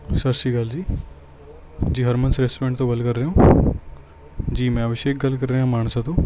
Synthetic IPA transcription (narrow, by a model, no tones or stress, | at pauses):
sɐɾsiːɡaːld͡ʑiː | d͡ʑiːɦɐɾmɐnsɾesẽːɳʈt̪õɡɐlkɐɾɾɐjõː | d͡ʑiːmẽɐʋɪʃeːk̚ɡɐlkɐɾɾejãːmaːɳ̃sãːt̪ʰoː